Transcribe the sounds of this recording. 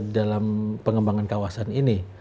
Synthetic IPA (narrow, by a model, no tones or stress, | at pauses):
dalampəŋəmbaŋankawasanini